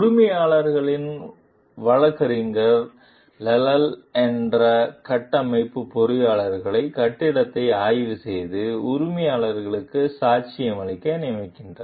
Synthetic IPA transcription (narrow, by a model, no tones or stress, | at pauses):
ɾʊmɐjaːɭɐɾɣɐɭɪn | ʋɐɻɐkːɐɾɪŋɡɐɾ | lɛlɐlɛndrɐkɐʈːɐmɐɪpːɯpɔɾɯjaːɭɐɾɣɐɭɐɪkɐʈːɪɽɐt̪ːɐɪaːjʋɯsɛjðɯʊɾʊmɐjaːɭɐɾɣɐɭɯkːɯsaːt͡ʃɪjɐmɐɭɪkːɐnɪmɐɪkːɪndrɐ